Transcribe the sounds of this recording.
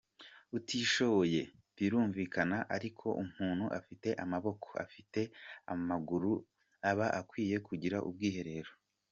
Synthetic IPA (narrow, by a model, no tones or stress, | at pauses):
utiːʃo̞βo̞je̞ | βiɾuːɱviːkanaʔaɾikʰo̞ʔum̥huːn̥huʔafite̞ʔamaβo̞kʰoa̰fite̞amaɡuɾu | aβaʔakwiːje̞kuɟiɾaʔṵbɡiːhe̞ɾe̞ɾo